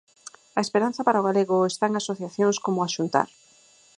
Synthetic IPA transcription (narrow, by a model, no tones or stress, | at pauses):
aespeɾan̟θɐpaɾaoɣaleɣoest̪aeŋasoθjaθjoŋskomoaʃunt̪a̰ɾ